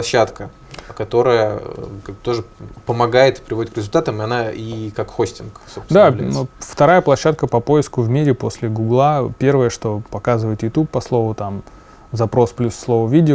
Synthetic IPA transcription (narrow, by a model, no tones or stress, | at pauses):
lˠɐɕːat̪kə | kɐt̪o̞ɾəjəkaɡ̚bt̪o̞ʐɨpəmɐɡajɪt̪ɨ̥pɾʲɪvo̞dʲɪt̪̚kɾʲɪzʊlʲt̪at̪əmɨɐnaikakxo̞sʲtʲɪnksosd̪alʲft̪ɐɾajəplˠɐɕːat̪̚kəpɐpo̞jɪskʊvmʲiɾʲɪpo̞sʲlʲɪɡuɡlˠapʲe̞rvəjəʂt̪o̞pɐkazɨvəjɪt̪jʊt̪ʲupːɐslˠo̞vʊt̪am | zɐpɾo̞splʲusːlˠo̞vəvʲidʲɪ